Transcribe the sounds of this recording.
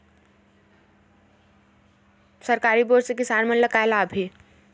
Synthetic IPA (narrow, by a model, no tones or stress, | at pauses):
sɐɾkaːɾiboːɾsek̬ɪsaːnmənləkalabʱi